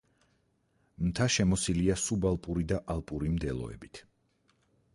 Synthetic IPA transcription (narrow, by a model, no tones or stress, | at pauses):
mt̪ʰaʃɛmɔsiliasubalˠpʼuɾid̪aʔalˠpʼuɾimd̪ɛlˠɔ̰ɛ̰bit̪ʰ